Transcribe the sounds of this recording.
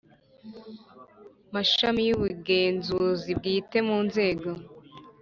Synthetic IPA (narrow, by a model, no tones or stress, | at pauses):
maʃamijuβuɡeːnzuzib̚ɡiːte̞muːnze̞ːɡo